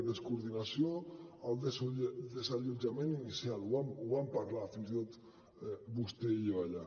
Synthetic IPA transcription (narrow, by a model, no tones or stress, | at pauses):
ðəskuɾðinasioəlˠd̪esd̪ezaʎud͡ʒamẽninisialuβamuβampaɾlafinzit̪ot̪ | bust̪eiʎoβaʎa